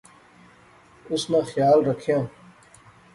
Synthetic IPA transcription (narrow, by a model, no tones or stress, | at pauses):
ʊsnãːxjaːlɾəkʰjãː